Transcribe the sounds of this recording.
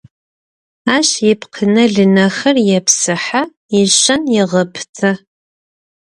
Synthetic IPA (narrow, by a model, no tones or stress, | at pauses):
aːʃjɪpʰqʰənɐɮɨnɐxɐrjɛpʰsɨħa | iʒɐnjɪʁəpʰt͡sʼʰɐ